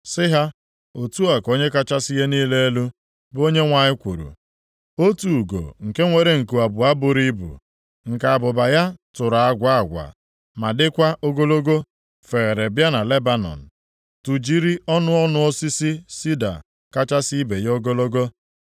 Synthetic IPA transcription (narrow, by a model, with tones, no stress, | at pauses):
sɪ˦ɦa˦ | o˨tu˦a˨ko˦ɲe˦ka˦t͡ʃa˦sɪ˦je˦niː˦le˦e˦lu˦ | bo˦ɲe˦ŋʷa˨ɲɪ˦kʷu˨ɾṵ˨ | o˦tu˨ɡo̰˨ŋ̩˨ke˦ŋʷe˨ɾe˨ŋ̩˨ku˨a˨bʊ˨a˦bʊ˨ɾi˦bṵ˨ | ŋ̩˨ka˨a˨bʊ˨ba˨ja˦tʊ˨ɾa˨a˦ɡʷa˦a˨ɡʷa̰˨ | ma˨dɪ˦kʷa˦ʔo˦ɡo˦lo˦ɡo˦ | fe˨ɣe˨ɾe˨bja˦na˨le˦ba˦nɔ̰˨n̩˨ | tu˨d͡ʒi˦ɾi˦ɔ˦nʊ˦ɔ˦nʊ˦o˦si˦si˦si˦da̰˨ | ka˦t͡ʃa˦si˦i˦be˨jo˦ɡo˦lo˦ɡo˦